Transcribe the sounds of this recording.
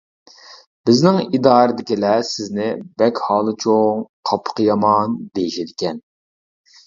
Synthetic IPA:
b̥ɪznɪŋid̪ɑːɾɨd̪ɪkʲilɛsɪznɪbɛkʲhɑːlˠɨt͡ʃʰoŋqʰɑpʰːə̥qʰəjɑmɑnd̪ejiʃɪd̪ɪkʲɛn

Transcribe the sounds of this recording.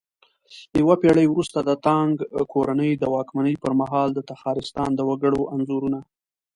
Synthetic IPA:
jawapeɽəjwɾust̪ad̪ət̪ɑŋɡkoɾanəjd̪əwɑkmanəjpəɾmaɦɑld̪ət̪axɑɾɪst̪ɑnd̪əwaɡəɽoʔanzoɾuna

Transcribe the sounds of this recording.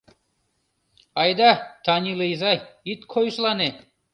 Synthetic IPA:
ɑjd̪ɑt̪ʰɑnʲilˠɨjzɑjit̪qʰojʃlˠɑne

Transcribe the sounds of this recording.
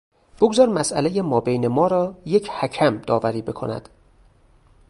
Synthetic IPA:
b̥oɡzɒːɾmæsʔælejemɒːbejnemɒːɾɒːje̞cʰhæcʰæmd̪ɒːvæɾiːbe̞kʰo̞næ̰d̪̥

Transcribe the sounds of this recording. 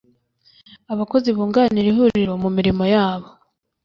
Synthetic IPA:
aβako̞ziβuːŋɡaniɾihuɾiɾo̞mumiɾimo̞jaːβo̞

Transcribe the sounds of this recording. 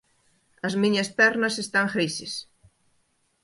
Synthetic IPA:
ɐzmĩɲɐspɛɾnɐsest̪aŋxijses

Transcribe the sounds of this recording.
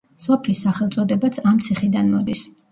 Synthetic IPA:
sɔpʰlisːaχɛlˠt̪sʼɔd̪ɛbat̪sʰamt̪sʰiχid̪anmɔd̪is

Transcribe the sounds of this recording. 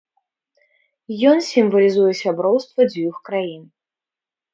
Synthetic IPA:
jɔnsʲimvɐlʲizujɛsʲabɾɔwst̪vɐd͡zʲvʲuxkɾajin

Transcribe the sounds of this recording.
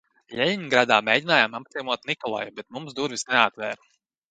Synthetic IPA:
ʎʲɛjʲiɲɡɾad̪aːmʲeːjdʲinaːjamapzʲimuɔt̪nikɔlˠa̰jubɛt̪mumsd̪uɾvisnɛat̪vɛːɾu

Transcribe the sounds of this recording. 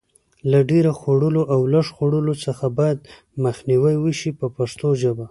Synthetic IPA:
laɖeɾaxoɽəloʔawlaʂxoɽəlot͡səxabɑjad̪ | məxniwajwəʃipəpaʂt̪oʒəba

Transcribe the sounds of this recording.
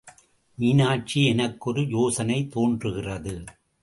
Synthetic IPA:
miːnaːʈ̚t͡ʃiɛnɐkːɔɾɯjoːsɐnɐɪt̪oːndrɯɣɪrɐðɯ

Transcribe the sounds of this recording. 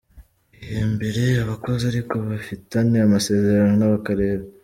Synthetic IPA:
ijembe̞ɾe̞aβako̞ziaɾiko̞βafitaneamase̞ːze̞ɾanonaβakaɾe̞ːɾa

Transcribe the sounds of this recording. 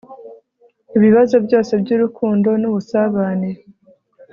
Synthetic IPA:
iβiβazo̞bjɟo̞ːse̞bɟuɾukʰuːndo̞nuβusaβane

